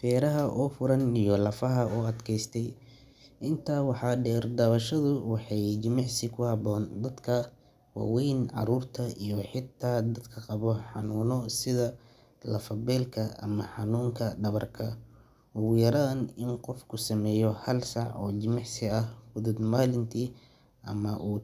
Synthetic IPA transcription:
fɛːɾɐɦɐʔɔːfʊɾɐnijɔlɐfɐɦɐɔːɐd̪kʰɛjst̪ʰɛj | ʔɪnt̪ʰaːwɑħɑːɖɛːrd̪ɐβɐʃɐðʊwɑħɑjt͡ʃɪmɪʕsɪkʰʊhɑβɔːnd̪ɐd̪kʰɐ | wɑ̰ːwɛjnʕɑ̰ɾuːrt̪ʰɐijɔħɪt̪ʰːaːd̪ɐd̪kʰɐqɑβɔħɑnuːnɔsɪðɐ | lɐfɐbɛːlkʰɐɐ̰mɐħɑnuːŋkʰɐɖɐβɐrkʰɐ | ʊɣjɐɾaːnɪnqɔfkʰʊsɐmɛːjɔhɐlsɑʕɔ̰ːt͡ʃɪmɪʕsɪɐhhʊðʊd̪maːlɪnt̪ʰiː | ʔɐ̰mɐʔuː

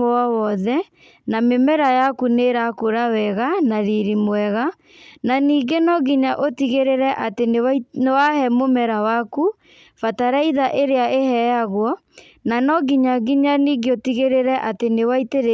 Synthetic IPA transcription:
wɔðɛ | namemɛɾajakuneɾakoɾawɛɣanaɾiɾimwɛɣa | naniːɡenɔɡiɲaʔotiɣeɾeɾɛʔateneanewahɛmomɛɾawaku | fataɾaiðaʔeɾeaʔehɛjaɣwɔ | nanɔɡiɲaɡiɲaniːɡeotiɣeɾeɾɛʔatenewaiteɾe

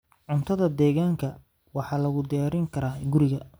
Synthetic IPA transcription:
ʕʊnt̪ʰɐðɐd̪ɛːɣaːŋkʰɐ | wɑħɑːlɐɣʊd̪ɪjaːɾɪŋkʰɐɾaːɡʊɾɪɣɐ

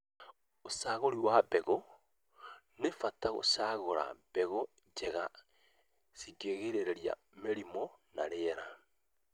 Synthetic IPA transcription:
osaːɣoɾiwabeɣo | nefataɣo̰saːɣoɾa̰b̥eɣo | d͡ʒeɣa | siɡeɣeɾeɾeɾia̰ | meɾimonaɾeɾa

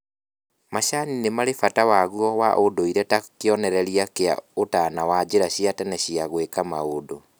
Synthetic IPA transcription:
maɕaninemaɾefatawaɣuɔwaʔodoiɾɛtakeɔnɛɾɛɾiakea̰otanawad͡ʑeɾaɕiatɛnɛɕiaɣwekamaodo

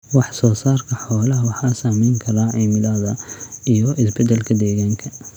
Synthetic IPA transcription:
wɑħsɔːsaːrkʰɐħɔːlɐɦwɑħɑsaːmɛjŋkʰɐɾaːʕiːmɪlɐðɐijɔʔɪsbɛd̪ɛlkʰɐd̪ɛːɣaːŋkʰɐ

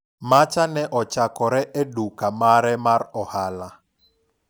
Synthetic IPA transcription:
mat͡ʃanɛʔɔt͡ʃakɔɾɛʔedukamaɾɛmaɾɔhala

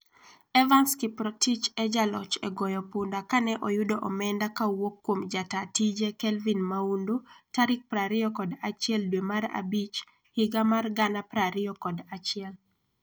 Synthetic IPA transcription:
ɛvanskipɾɔtit͡ʃɛd͡ʒalɔt͡ʃɛ̰ɡɔjɔpundakanɛʔɔjʊdɔʔɔmɛndakawokːwomd͡ʒatatid͡ʒekɛlvinmaundotaɾɪk̚pɾaɾɪjɔkɔdat͡ʃɪɛldwemaɾa̰bit͡ʃ | hɪɡamarɡanapɾaɾɪɔkɔdat͡ʃɪɛl

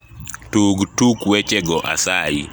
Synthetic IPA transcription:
tuɡtukwɛt͡ʃɛɡɔʔa̰sai

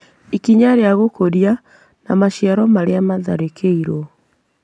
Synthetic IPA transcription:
ikiɲaɾeaɣokoɾia | namaʃiaɾɔmaɾeamaða̰ɾekʰeiɾo

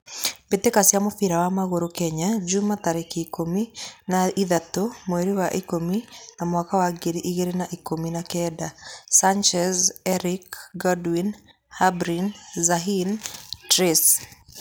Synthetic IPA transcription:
betekasjamofiɾawamaɣoɾokɛɲad͡ʒumataɾekaikominaiðatomweɾiwaʔikominamwakawaɡeɾiʔiɣeɾenaʔikominakɛdasant͡ʃɛzɛɾikɡɔdwin | habɾinzaɦintɾes

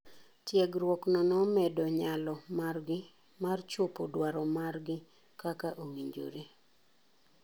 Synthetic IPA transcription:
tjɛɡɾwɔknɔnɔmɛdɔɲalɔmarɡɪ | mart͡ʃopodwaɾɔmarɡɪ | kakaʔowiɲd͡ʒo̰ɾe

